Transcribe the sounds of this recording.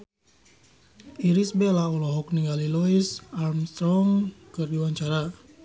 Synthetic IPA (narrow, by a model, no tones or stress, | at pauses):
iɾisbelaulɔɦɔk̚niɡalilɔisarmst̪ɾɔŋkɨrdiwaɲt͡ʃaɾa